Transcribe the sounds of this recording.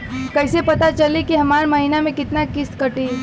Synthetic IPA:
kɐɪsepɐt̪at͡ʃəlikiɦɐmaːɾmɐɦinamẽkɪt̪nakɪskəʈi

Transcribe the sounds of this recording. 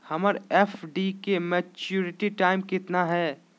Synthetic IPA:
hɐməɾeːfɖikemɛt͡ʃuːɾɪʈiʈaːɪmkɪt̪naɦɛː

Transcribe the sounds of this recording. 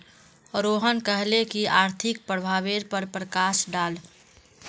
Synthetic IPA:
ɾoːɦənkəɦlekiaːɾt̪ʰɪk̚pɾəbʱaːʋeɾpəɾpɾəkaːsɖaːl

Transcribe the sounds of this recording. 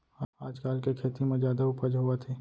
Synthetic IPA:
aaːd͡ʒkaːlkekʰeːt̪imẽzjaːd̪aʊpəd͡ʒɦuat̪ʰeː

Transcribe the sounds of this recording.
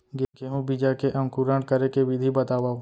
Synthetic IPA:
ɡeɡeɦũbid͡ʒakeʔɐ̃mkuɾə̃ɳɽkɐɾekeʋɪd̪ʱibɐt̪aːʋaː

